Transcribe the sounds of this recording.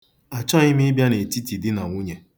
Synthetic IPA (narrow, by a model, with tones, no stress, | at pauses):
a˨t͡ʃɔ˦ɲɪ˦mɪ˦bja˦ne˨ti˦ti˨dɪ˦na˨ŋʷu˦ɲe˦